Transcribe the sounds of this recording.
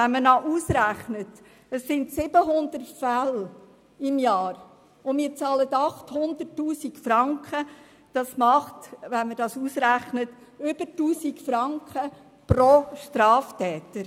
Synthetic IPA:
ɛnmənɑʔuːsɾæχnət | əsːɪntsɪb̥əɦʊnd̪ərtfæl | ɪmjɑːɾ | ʊmɪːɾt͡sɑːlətɑχthʊnd̪ətːuːsikfɾɑŋkχə | d̥ɑsmɑχtʋɛnmədɑsuːsɾæχnət | ʏb̥ətːuːsikfɾɑŋkχə | prɔʃtɾɑːftɛːtəɾ

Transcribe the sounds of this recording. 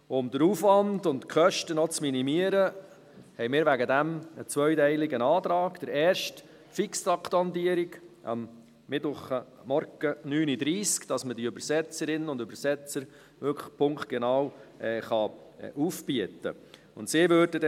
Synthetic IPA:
ʊmd̥̪əɾuːfʋɑndʊntkʰχœʃtənɔt͡sminimiəɾə | hɛɪjmɪːɾʋæɡədæmət͡sʋœʏɥtɛɪlɪɡənɑːt̪ɾɑːɡd̥əɾɛːɾʃt | fɪkstɑktɑntiəɾɪɡʔɑ̰mː | ɪtʊχə | mɔɾɡənyːnidɾiːskd̥ɑsmədiøbəɾsɛt͡səɾɪnːəʊndøbəɾsɛt͡səɾ | ʋʏkʰəpʰʊŋkt̚ɡ̥ɛnɑːwɛːχɑʔuːfbiətə̰ | ʊntsɪʋøːɾdədɛ

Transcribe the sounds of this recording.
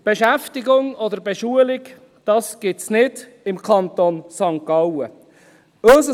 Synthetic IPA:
b̥eʃæftɪɡʊŋɔdəɾbeʃuəlɪɡ | d̥ɑsɡ̥ɪtsnɪd | ɪmkʰɑnt̪onsɑŋkɑwə | œsə

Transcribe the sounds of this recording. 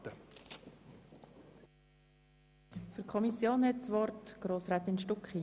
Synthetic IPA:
tə | fykʰɔmisjoːnhɛtt͡sʋɔrtɡ̥ɾoːsɾɛt̪ɪnʃtʊkχi

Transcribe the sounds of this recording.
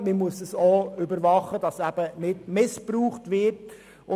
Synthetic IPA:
mimuəsəsoːʏbəɾʋɑχəd̥ɑsæb̥ənɪtmɪspɾuːχtʋɪɾt | ʊ

